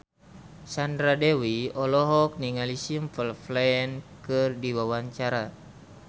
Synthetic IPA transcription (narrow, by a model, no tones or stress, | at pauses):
sandɾadɛwiɔlɔɦɔk̚niŋalisimfəlflɛɛnkɨrdiwawaɲt͡ʃaɾa